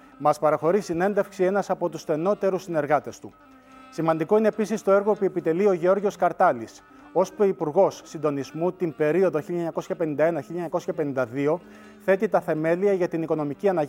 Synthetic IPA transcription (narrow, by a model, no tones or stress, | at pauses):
mɐspɐɾɐxo̞ɾisine̞nd̪e̞fksie̞nɐsɐpo̞t̪usθe̞no̞t̪e̞ɾusine̞ɾɣɐt̪e̞st̪u | simɐnd̪iko̞ine̞pisist̪o̞e̞ɾɣo̞puepit̪e̞lio̞ʝeo̞ɾʝo̞skɐɾt̪ɐlis | o̞spoipuɾɣo̞sːind̪o̞nizmut̪imbe̞ɾio̞ðo̞çiʎɐɲɐko̞sçɐpenind̪ɐe̞nɐçilʎɐɲɐko̞sçɐpe̞nind̪ɐðio̞ | θe̞t̪it̪ɐθe̞me̞liɐʝɐt̪iniko̞no̞miciɐnɐ